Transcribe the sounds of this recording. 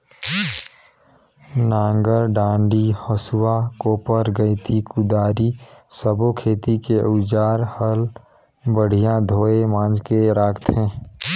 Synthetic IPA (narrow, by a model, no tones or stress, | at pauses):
nãːŋɡəɾɖãːɳɖihəswakoːpəɾɡəɪt̪ikʊd̪aːɾisəbokʰeːt̪ikeʊd͡ʒaːɾhəl | bəɽ̤ijãd̪ʱoːemãːnd͡ʒkeɾaːkʰt̪ɦẽː